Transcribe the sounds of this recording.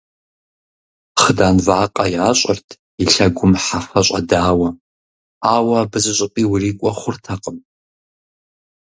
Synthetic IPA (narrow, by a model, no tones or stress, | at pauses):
χədaːnvaːqʼajaːɕʷʼartʰ | iɬɐɡʷʊmħafɐɕʷʼadaːwɐ | aːwɐbɨzɨɕʼɨpʼiwriːkʷʼɐχʷʊrtʰaqʼəm